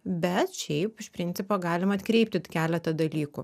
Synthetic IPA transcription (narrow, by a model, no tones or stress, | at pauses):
bʲɛt̪ʃʲɛɪpɪʃpʲɾʲɪnʲtsʲɪpoːɡɑːlʲɪmɐt̪kɾʲɛɪp̚ʲt̪ʲɪt̪kʲæːlʲɛt̪ɐd̪ɐlʲiːkṵː